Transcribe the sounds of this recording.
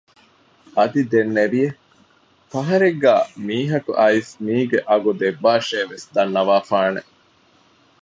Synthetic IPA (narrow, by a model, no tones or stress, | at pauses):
ʔɐd̪id̪enːeʋije | fɐɦɐɾeɡːæːmiːɦɐkṵʔɐismiːɡeʔɐɡud̪ebːaːʃeːʋesd̪ɐnːɐʋaːfaːnḛ